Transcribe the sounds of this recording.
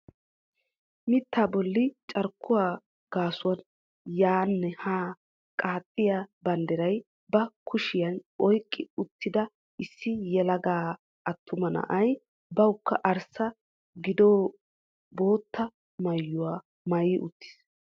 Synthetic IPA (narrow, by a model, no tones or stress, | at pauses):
mɪt̪ːaːbɔlːɪt͡ʃʼɐɾkʰːʊwaː | ɡ̥aːsʊwɐn | jaːnːɛhaː | kʼaːt̪ʼːɪjabɐnd̪ɛɾɐj | bɐkʰʊʃɪjɐnɔjkʼːɪʊt̪ːɪd̪ɐ | ʔɪsːɪjɛlɐɡaː | ʔɐt̪ʰːʊmɐnɐ̰ʔɐj | bɐwkːɐʔɐɾsɐ | ɡɪd̪oː | boːt̪ːɐ | mɐjːʊwaː | mɐjɪʔʊt̪ːɪ̥s